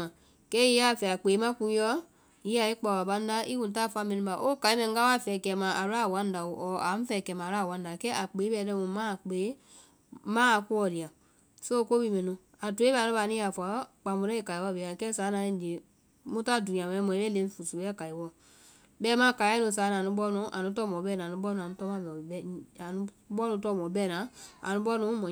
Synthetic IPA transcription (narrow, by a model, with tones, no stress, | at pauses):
a˨ | kɛ˦i˦a˦˨fɛ˨a˨k͡pe˨˦mã˦kũ˧˦jɔ˦ | ji˦a˨i˦k͡pa˨a˨ɓa˧˦n˦da˦ʔi˦kũ˨˦ta˦˨fa˧˦mẽ˨nũ˧ba˨ʔo˦ka˨i˦mɛ̃˨˦a˦wa˦˨fɛ˨kɛ˨mã˨a˨ɾa˦˨wã˦n˦da˨u˨ʔɔ˨a˨˦m̩˦fɛ˨kɛ˨mã˨ɾa˦˨wã˦n˦da˨kɛ˦ʔa˨k͡pe˨˦bɛ˧˦lɛ̃˦ũ˨˦mãː˦˨k͡pe˨˦ | mãː˦˨˧ku˦ɔ˨li˨a˨ | so˦ko˦bi˧mɛ̃˨nũ˧ | a˨tu˨˦e˦bnũ˦a˧˨nĩ˦a˨fa˨˦k͡pa˨mu˨ɾɛ̃˦e˨ka˨i˨wɔ˦be˨ã˨kɛ˦saː˨˦nã˧ĩ˦˨d͡ʒe˨ | mũ˦ta˦˨du˨ĩ˨ã˨ɛ̃˨˦mɔ̃˨ĩ˦ɛ˦le˦˧˦fu˨su˨˦ɛ˦ka˨i˨wɔ˦˨ | bɛː˦mã˦ka˨˦ɛ˦nũ˧˨s̬aː˨˦nã˨ũ˧˦ɓɔ˦nũ˨˦ʔa̰˨nũ˦tɔ˦˨mɔ̃˨˦bɛ˦˨nã˨nũ˦ɓɔ˦nũ˨˧a˨nũ˦tɔ˦mã˦bɛ˨bɛ˦a˨nũ˦ɓɔ˦nũ˧˦tɔ˦mɔ̃˨˦bɛː˦˨nã˨˦a̰˨nũ˦bɔ˦nũ˨˦mɔ̃˨